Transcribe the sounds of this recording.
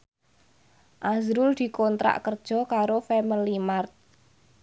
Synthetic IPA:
ʔazɾʊld̪̥i̤kɔnt̪ɾa̰ʔkərd̥ʒ̥ɔ̤kaɾofɛməlimart̪̚

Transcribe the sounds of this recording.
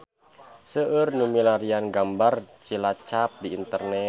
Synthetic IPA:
səʔərnumilaɾianɡambart͡ʃilat͡ʃap̚diːnt̪ərnɛ

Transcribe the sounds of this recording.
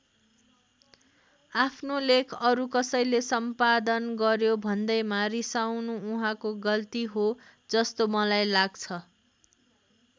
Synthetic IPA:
apʰnolekʰʌɾukʌsʌjlesʌmpad̪ʌnɡʌɾjobʱʌnd̪ʌjmaɾisawnuuɦãkoɡʌlt̪iɦo | d͡zʌst̪omʌlajlaɡt͡sʰʌ

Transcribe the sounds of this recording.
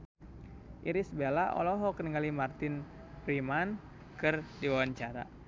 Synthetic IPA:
ʔiɾisbelaʔɔ̰lɔɦɔknəŋɡalimart̪ɪn | riman | kɨrdiwawaɲt͡ʃaɾa̰

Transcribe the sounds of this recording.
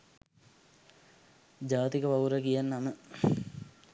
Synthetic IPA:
d͡ʑaːt̪ikəpauɾəkijanːamə

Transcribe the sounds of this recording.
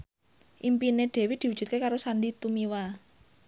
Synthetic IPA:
ʔimpineɖ̪̥e̤wid̪̥i̤wu̥ʒ̥ṳt̪̚kekaɾosaɳɖit̪umiwa

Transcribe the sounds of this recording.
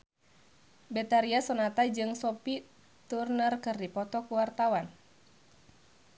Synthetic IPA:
bɛt̪aɾiasɔnat̪ad͡ʒɨŋsɔpi | t̪urnərkɨrdipɔt̪ɔkuwart̪awan

